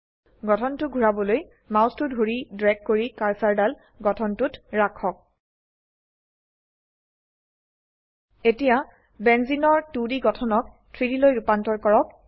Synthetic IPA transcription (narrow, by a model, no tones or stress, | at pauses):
ɡɔtʰɔntʊɡʱuɹabɔloj | mawstʊdɡʱuɹidɹɛk̚koɹikaɹsaɹdal | ɡɔtʰɔntʊtɹakʰːɔk̚ | etija | bɛnzinɔɹtudiɡɔtʰɔnɔk̚ | tʰɹidilojɹupantɔɹkɔɹɔk̚